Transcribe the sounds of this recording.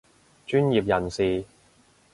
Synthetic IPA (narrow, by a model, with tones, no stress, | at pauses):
t͡ʃyː˥njiː˨p̬̚jɐ˨˩nsiː˨